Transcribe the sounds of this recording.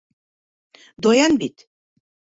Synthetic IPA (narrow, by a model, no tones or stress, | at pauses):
d̪ojanbit̪ʰ